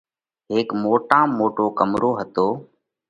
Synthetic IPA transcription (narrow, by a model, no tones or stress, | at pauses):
ɦeːkmoːʈãːmoːʈoːkəmɾoːɦət̪oː